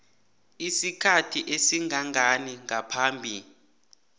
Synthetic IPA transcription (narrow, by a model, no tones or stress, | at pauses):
isikʰatʰiʔesiŋɡʱaŋʱaniŋʱapʰaːmbʱii